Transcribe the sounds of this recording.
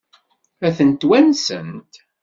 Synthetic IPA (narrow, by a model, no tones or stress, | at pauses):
æθənt̪wænsə̰nt̪